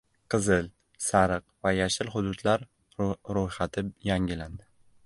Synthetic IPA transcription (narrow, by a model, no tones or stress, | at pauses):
qʰɨzɪl | saɾɨqvajaʃɪlχʊd̪ʊd̪laɾ | ɾojχat̪ʰɪjaŋʲɪland̪ɪ